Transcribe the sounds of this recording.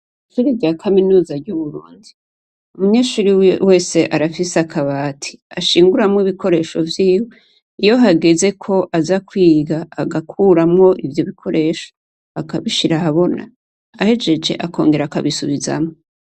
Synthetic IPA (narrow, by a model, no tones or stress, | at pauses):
ʃuɾivɟaːkʰaminuːzaɾɟuβuɾṵːndi | umuɲe̞ːʃuɾiwe̞ːse̞ʔaɾafiseakʰaβaːtʰi̥aʃiːŋɡuɾamŋiβikʰo̞ɾe̞ːʃo̞vjiːwo | ijo̞ɦaɡeze̞kʰo̞ʔazakwiːɡaːɡakʰuːɾamŋo̞ʔivjo̞βikʰo̞ɾʔe̞ːʃo̥ | akaβiʃiɾahaβo̞na̰ | ahe̞d͡ʒe̞d͡ʒe̞̰ʔakʰo̞̰ːŋɡe̞ɾakaβisuβiza̰mŋo